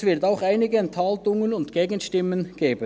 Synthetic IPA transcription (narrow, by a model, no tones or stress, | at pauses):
sv̥ɪʁtaʊxaɪnɪɡəɛnthaltʊŋənʊntɡ̥eːɡənʃtɪmːənɡ̥eːbə